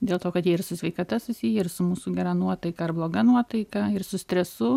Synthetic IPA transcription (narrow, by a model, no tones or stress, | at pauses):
d̪ʲeːlˠt̪oːkɐt̪jɛːɪrsʊsʲʋʲɛɪkɐt̪ɐsʊsʲiːjɛɪɾsʊmuːsʊɡʲɛɾɐnuɔt̪ɐɪkɐɐrblˠoːɡɐnuɔt̪ɐɪkɐɪrsʊsʲt̪ʲɾʲɛsʊ